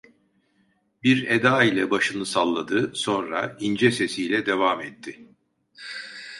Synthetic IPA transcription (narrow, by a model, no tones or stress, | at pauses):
biɾed̪aːilʲɛbaʃɯnɯsalˠːad̪ɯso̞nɾa̰ind͡ʒɛse̞sijlʲɛd̪e̞vaːmɛt̪ʰːɪ